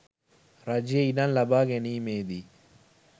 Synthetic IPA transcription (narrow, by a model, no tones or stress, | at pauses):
ɾɐd͡ʒeinanlɐbaːɡenimeːd̪i